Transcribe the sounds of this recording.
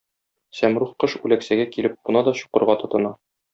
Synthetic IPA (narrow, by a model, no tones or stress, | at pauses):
sæmɾuχqɤʃʉlæksæɡækilɘp̚bŭnɑd̪ɒɕu̥qɤ̆ɾʁɑt̪ɤ̆t̪ɤ̆nɑ